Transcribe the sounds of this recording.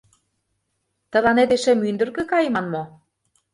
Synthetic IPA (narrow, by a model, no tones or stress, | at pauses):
t̪ə̆lɑned̪eʃĕmynd̪ə̆rɣĕkɑj̆mɑnmo